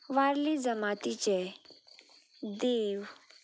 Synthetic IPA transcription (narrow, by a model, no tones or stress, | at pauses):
ʋaɾlid͡zəmat̪it͡ɕɛ | d̪eʋ